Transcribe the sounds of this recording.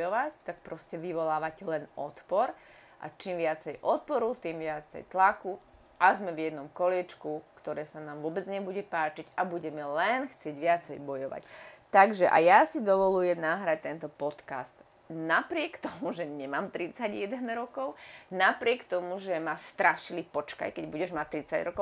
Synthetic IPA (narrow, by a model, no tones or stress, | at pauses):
jɔʋact̪akpɾɔscɛʋiʋɔlaːʋacɛlɛnʔɔ̰t̪pɔɾ | ʔa̰t͡ʃimʋɪat͡sɛjʔɔt̪̚pɔɾut̪imʋɪat͡sɛ̰jt̪laku | ʔazmɛvjɛd̪nɔmkɔlɪɛt͡ʃkukt̪ɔɾɛːsanaːmʋʊɔbɛd͡zɲɛbuɟɛpaːt͡ʃiɟabuɟɛmɛlɛnxt͡sɪɛɟʋɪat͡sɛjbɔjɔʋa̰ct̪aɡʒɛʔa̰jasid̪ɔʋɔlujɛmnaɦɾac̚t̪ɛnt̪ɔpɔt̪ka̰st̪ | napɾɪɛkt̪ɔmuʒɛɲɛmaːmt̪ɾit͡saɟjɛd̪ɛnɾɔkɔʊnapɾɪɛkt̪ɔmuʒɛmast̪ɾaʃilipɔt͡ʃka̰jkɛɟbuɟɛʒmat̪ːɾit͡sa̰ɟɾɔkɔʊ